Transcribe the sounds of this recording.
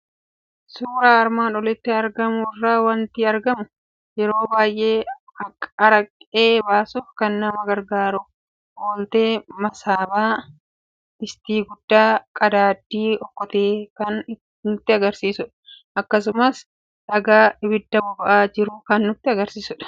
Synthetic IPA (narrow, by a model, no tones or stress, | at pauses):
suːɾaːɐɾmaːnɔlɪt̪ːɪɐɾɡɐmʊɪrːaːwɐnt̪ɪɐɾɡɐmʊ | jɛɾo̞ːbaːjʔe̞ː | ɐɐɾɐkʼːe̞ːbaːsuːfkɐnːɐmɐɡɐɾɡaːɾʊ | ʔoːlt̪e̞ːmɐsaːbaː | ɪst̪iːɡʊd̪ːaːkʼɐd̪aːd̪ːiːɔkːɔt̪eːkɐn | nʊt̪ːɪɐɡɐɾsiːsʊᶑɐ̥ʔɐkːɐsʊmɐs | ᶑɐɡaːɪbɪd̪ːɐbʊbɐʔaːd͡ʒɪɾʊkɐnːʊt̪ːɪɐɡɐɾsiːsʊᶑɐ̥